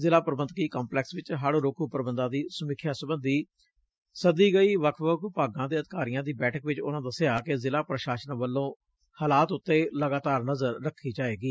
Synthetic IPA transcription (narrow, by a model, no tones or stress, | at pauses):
zɪlaːpəɾəbənt̪̚kiːkaːmplɛːksʋɪt͡ʃɦəɽɾoːkʰuːpəɾbənd̪ãːd̪iːsəmɪkʰːjaːsəbənd̪iː | səd̪iːɡəiːʋəkʰʋəkʰpaːɡãːd̪eːət̪kaːɾɪjãːd̪iːbɛːʈʰəkʋɪt͡ʃʊ̰nãːd̪əseaːkɪzɪlaːpɾəʃaːʃənʋəlːõː | haːlaːt̪ʊt̪ːeːləɡaːt̪aːɾnəzəɾːəkʰːiːd͡ʒaːeːɡiː